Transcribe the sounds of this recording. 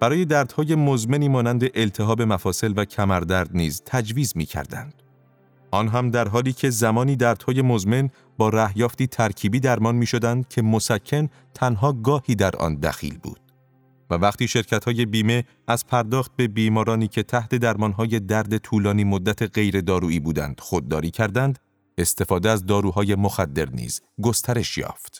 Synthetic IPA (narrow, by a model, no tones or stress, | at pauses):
b̥æɾɒːje̞d̪æːɾd̪̥hɒːje̞mozme̞niːmɒːnænd̪eʔelt̪ʰe̞ɦɒːbe̞mæfɒːse̞lvæcʰæmæɾd̪æɾd̪niːzt̪ʰæd͡ʒviːzmḭːcʰæ̰ɾd̪æ̰nd̪̥ | ʔɒːnɦæmd̪æɾɦɒːliːcʰe̞zæmɒːniːd̪æːɾd̪̥hɒːje̞mozme̞n | bɒːɾæhjɒːft̪iːt̪ʰæɾcʰiːbiːd̪æɾmɒːnmiːʃod̪ænd̪̚cʰe̞mosæcʰːen | t̪ʰænɦɒːɡɒːhiːd̪æɾʔɒ̰ːnd̪æ̰xḭːlbṵːd̪̥̚ | vævæqt̪iːʃe̞ɾcʰæt̪hɒːje̞biːme̞ | æzpʰæɾd̪ɒːxt̪̚be̞biːmɒːɾɒːniːcʰe̞t̪ʰæht̪e̞d̪æɾmɒːnɦɒːje̞d̪æɾd̪e̞t̪ʰuːlɒːniːmod̪ːæt̪ʰe̞ɣe̞jɾe̞d̪ɒːɾuːiːbuːd̪æ̰nd̪̥xo̞d̪ːɒ̰ːɾiːcʰæɾd̪ænd̪ | e̞st̪e̞fɒːd̪eæzd̪ɒːɾuːɦɒːje̞moxæd̪ːe̞̰ɾnḭːz̥ | ɡo̞st̪ʰæɾe̞ʃjɒ̰ːft̪